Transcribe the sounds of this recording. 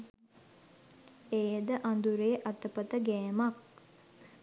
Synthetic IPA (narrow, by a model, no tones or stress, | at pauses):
ejəd̪əʔand̪uɾeʔat̪əpət̪əɡɛːmak